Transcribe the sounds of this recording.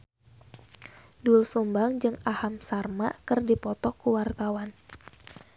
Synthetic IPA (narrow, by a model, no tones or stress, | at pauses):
dulsumbaŋd͡ʒɨŋahamsarmakɨrdipɔt̪ɔkuwart̪awan